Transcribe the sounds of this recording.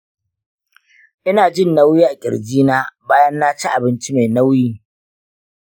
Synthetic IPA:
ʔɪ˦naː˨d͡ʒɪ˦˨nːa˦wjiː˦ʔa˨kʲʼɪ̰˨ɽd͡ʒiː˦naː˦baː˦jɐ˦nːaː˦t͡ʃi˦ʔa˨bɪ˦nt͡ʃi˦me˨jna˦wjiː˦

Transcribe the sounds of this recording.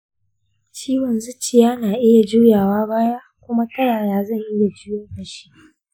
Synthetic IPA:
t͡ʃiː˦wɔ˨nzʊ˦t͡ʃːɪ˨jaː˦naː˨ʔɪ˦ja˨d͡ʒu˦jaː˨waː˦baː˦ja˦kʷʊ˦ma˦tɐ˦ɽaː˨jaː˦zɐ˦˨ŋʔɪ˦ja˨d͡ʒu˦jɐ˦˨bɐ˨ʃi̥˦

